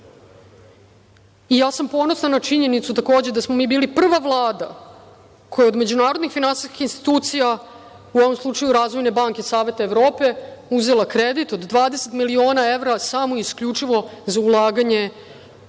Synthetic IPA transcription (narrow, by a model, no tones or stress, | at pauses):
ijaːsampo̞no̞snanat͡ʂiɲe̞nit̪sut̪ako̞ːd͡ʑed̪asmomiːbiːlipr̩ʋaʋlˠaːd̪a̰ | kʰo̞jeo̞d̪me̞d͡ʑunaːɾo̞d̪nixfinansi̥skʲi̥xinst̪i̥t̪uːt̪sija | uoʋo̞mslˠut͡ʂajuɾaːzʋo̞jne̞baŋke̞saːʋe̞t̪aevɾo̞ːpe̞uze̞lˠakɾed̪it̪od̪ːʋaːd̪ese̞t̪milio̞ːnae̞ʋɾasamoiskʎut͡ʂiʋo̞zaulˠaːɡaɲe̞